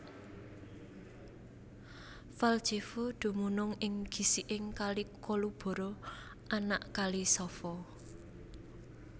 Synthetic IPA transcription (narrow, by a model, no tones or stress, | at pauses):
fald̥ʒ̥efoɖ̪̥ṳmunʊŋɪŋɡ̥i̤siʔɪŋkalikolub̥ɔ̤ɾɔ | ʔanaʔkalisɔfɔ